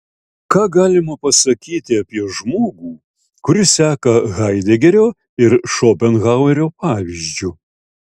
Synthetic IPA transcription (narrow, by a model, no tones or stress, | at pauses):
kɑːɡɑːlʲɪmɐpɐsɐkʲiːt̪ʲɪɐpʲiɛʒmoːɡuː | kʊɾʲɪsʲæːkɐɣɐɪd̪ʲɛɡʲɛɾʲoː | ɪɾʃoːpʲɛnɣɑʊɛɾʲoːpɑːʋʲiʒʲd͡ʒʲʊ